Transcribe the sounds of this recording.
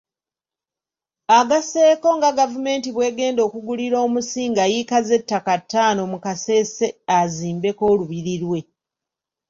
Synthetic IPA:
aɡase̞ːko̞ŋɡaɡavume̞ːntiβwe̞ːɡe̞ːndo̞ːkuɡuliɾo̞ːmusiːŋɡajikaze̞tːakatːaːno̞mukase̞ːseaziːmbe̞ko̞ːluβiɾiɾwe̞

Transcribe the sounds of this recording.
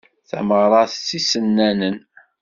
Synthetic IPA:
θæ̰məʁɾˤɑθt͡sːisənːænən

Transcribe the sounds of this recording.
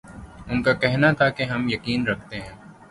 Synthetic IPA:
ʊnkakɛɦnat̪ʰakeɦɐmjɐkiːnɾɐk̚ʰt̪eɦɛ̃ː

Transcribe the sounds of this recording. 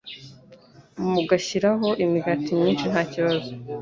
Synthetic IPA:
muɡaçiɾaɦo̞ʔimiɡatimɲiːnʃinhaːciβazo

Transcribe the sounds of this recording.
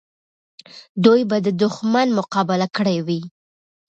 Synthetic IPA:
d̪ujbad̪əd̪ʊxmanmʊqɑbalakəɽajwi

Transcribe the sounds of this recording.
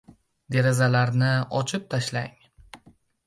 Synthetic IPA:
d̪e̞ɾezalaɾnɪɒt͡ʃʰɪp̚t̪ʰaʃlaŋ

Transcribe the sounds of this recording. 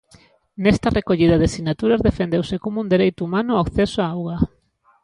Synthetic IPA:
nest̪ɐrʔekoʎið̞aðesiɣnat̪uɾazðefend̪ewsekomound̪eɾejt̪ʊumanʊakθesoaawɣa

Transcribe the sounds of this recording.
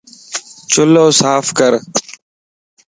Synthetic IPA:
t͡ʃʊloːsaːfkəɾ

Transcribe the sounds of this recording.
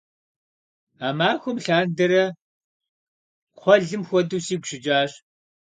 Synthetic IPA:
aːmaːxʷʊmɬaːndɐɾɐ | qʷɔɮɨmxʷɔduːsiːɡʷɕɪd͡ʒaːɕ

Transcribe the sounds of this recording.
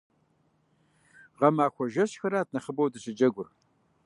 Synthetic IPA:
ʁɐmaːxʷɔʒɐɕxɐɾaːt̚ʰnɐχəbɐwdɨɕɪd͡ʒɐɡʷʊr

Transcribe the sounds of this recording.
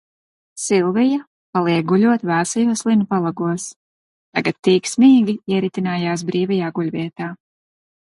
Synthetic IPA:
silˠvija | palˠiɛɡulʲuɔt̪vaːsajuɔslˠinupalˠaɡuɔs | t̪aɡat̪ːiːksmʲiːɡʲiiɛɾit̪inaːjaːs̬bɾiːvɛjaːɡulʲvʲiɛt̪aː

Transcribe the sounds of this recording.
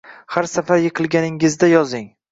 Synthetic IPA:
haɾsafaɾjɨqʰɨlˠɡʲanɪŋɪzd̪ajɒzɪŋ

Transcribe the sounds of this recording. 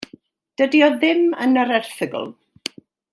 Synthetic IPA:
d̥ədiɔðɪmənəɾɛrθəɡə̰lˠ

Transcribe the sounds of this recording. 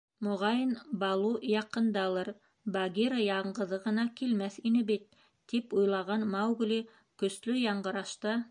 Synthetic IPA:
mŏʁɑjɤnbɑlˠujɑqɤ̆nd̪ɑlˠɤɾ | bɑɡʲiɾəjɑɴɢɤ̆ðɤʁɤ̆nɑkilmæθinɘbit̪ː | ipujlˠɑʁɑnmɑwɡlʲi | kɵ̆slɵjɑɴɢɤ̆ɾɑʃt̪ɤ

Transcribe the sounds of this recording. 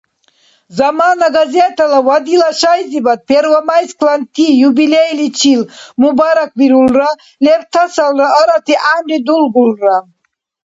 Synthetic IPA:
zamanaɡazɛt̪ʰalavad̪ilaʃajzibat̪̚pʰɛɾvamajskʰlant̪ʰijubilɛjlit͡ʃʰilmubaɾak̚biɾulra | lɛɾt̪ʰasalraəɾat̪ʰiʔamrid̪ulɡulra

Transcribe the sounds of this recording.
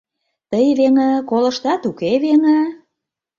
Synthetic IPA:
t̪əjβeŋə̆kolə̆ʃt̪ɑt̪ukeβeŋə̆

